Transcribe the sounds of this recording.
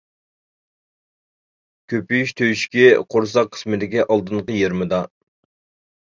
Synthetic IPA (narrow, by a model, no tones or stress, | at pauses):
kʲʰøpyjyʃt̪ʰøjyʃkʲiqʰoɾsɑqʰːə̥smɪd̪ɪkʲiʔɑlˠd̪ɨɴqəjeɾmɨd̪ɑ